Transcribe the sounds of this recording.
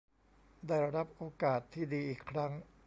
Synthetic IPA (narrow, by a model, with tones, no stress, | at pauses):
daː˥˩jɾa˧ɾa˦˥p̚ʔoː˧kaː˨˩t̪ʰːiː˥˩diː˧ʔiː˨˩kʰɾa˦˥ŋ